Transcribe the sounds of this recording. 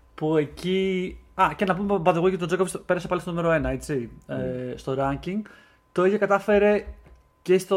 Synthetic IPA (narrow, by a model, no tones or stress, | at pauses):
pue̞ciɐcenɐpumebɐðeɣoct̪od͡zo̞kovispeɾɐsepɐlist̪oume̞ɾo̞e̞nɐe̞t͡si | st̪o̞ɾɐɲciŋɡ | t̪oiʝɐkɐt̪ɐfe̞ɾe̞ | ce̞st̪o